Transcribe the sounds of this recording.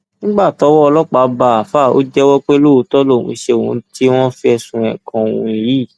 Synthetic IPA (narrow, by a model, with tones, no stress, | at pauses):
nĩ˦ɡ͡ba˦˨tɔ˨˧˦wɔ˦ɔ˧lɔ˦k͡pa˨˦ba˨a˨fa˦˨o̰˦d͡ʒɛ˦wɔ˦k͡pe˦lo˦˧˦tɔ˦lo˦˨ṵ̃˧i˧˦ʃe˧o˨ũ˧ti˦w̃ɔ̃˦fi˦ɛ˧sũ˧ɛ̰̃˨kã˧˨wṵ̃˨˦˨ji˨˦˨